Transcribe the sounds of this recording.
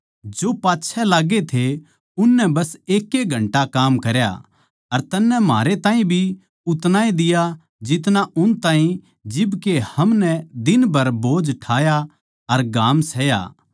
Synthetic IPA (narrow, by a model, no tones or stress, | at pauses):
d͡ʒoːpaːtːʃʰɛlaːɡet̪ʰe | ʊnːɛbɐseːkːeɡʱɐ̃ɳʈakaːmkɐɾja̰ | ɐɾt̪ɐnːɛma̰ːɾet̪ãːɦĩbʱi | ʊt̪naːĩd̪ɪja | d͡ʒɪt̪̬naʔʊnt̪aːɦĩ | d͡ʒɪbkehɐmnɛd̪ɪnbʱɐɾboːd͡ʒʈʰaːja | ɐɾɡaːmsɛːja̰ː